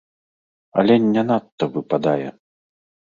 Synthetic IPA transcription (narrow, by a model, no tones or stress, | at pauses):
ɐ̰lʲɛnʲːanat̪ːɐvɨpad̪ajɛ̰